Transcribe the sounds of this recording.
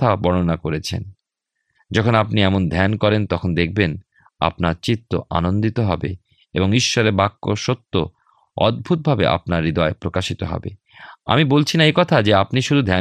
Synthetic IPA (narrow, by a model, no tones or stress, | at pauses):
t̪ʰabɔɽonakoɾet͡ɕʰḛn | d͡ʑɔkʰonapniɛmond̪ʱɛnkɔɾent̪ɔkʰond̪ek̚ʰben | a̰pnaɾt͡ɕit̪ːoʔa̰nond̪it̪oɦɔbe | eboŋiʃːɔɾeɾbakːo̰ʃot̪ːo | ɔ̰d̪̚bʱut̪̚bʱabḛʔa̰pnaɾːid̪ɔepɾokaʃit̪oɦɔ̰bḛ | a̰mibolt͡ɕʰinaekɔt̪ʰad͡ʑeapniʃud̪ʱud̪ʱɛ